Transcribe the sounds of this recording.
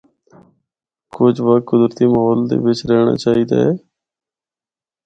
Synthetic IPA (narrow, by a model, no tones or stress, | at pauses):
kʊd͡ʒʋaːkʊd̪ɾt̪iːməːɦɔːld̪ḛːʋɪt͡ʃɾɛːɳa̰ːt͡ʃaːɦiːd̪a̰ːɦɛː